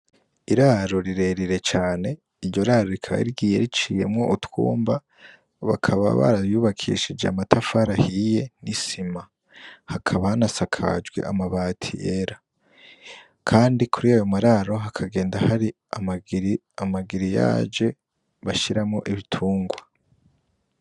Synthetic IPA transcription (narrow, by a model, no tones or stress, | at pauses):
iɾaɾo̞ɾiɾe̞ɾiɾe̞t͡ʃaːne̞ | iɾɟo̞ɾaɾo̞ɾikʰaβa̰iɡiːjeɾit͡ʃije̞mŋo̞ʔutwṵːmba | βa̰kʰaβa̰βa̰ɾaβjuːβakʰḭʃid͡ʒea̰matʰafaɾahije̞nisima | hakʰaβahanasakʰa̰d͡ʒɡwe̞̰ʔa̰maβaːtʰḭʔeɾa | kʰaːndikʰuɾiajo̞maɾaɾo̞ɦakʰaɡe̞ːndahaɾi | am | amaɡiɾija̰ːd͡ʒe̞ | βaʃiɾamŋo̞ʔiβitʰuːŋɡwa